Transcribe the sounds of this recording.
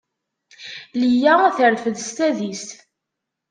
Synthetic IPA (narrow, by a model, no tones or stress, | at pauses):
lijææθəɾfəðst̪æðist̪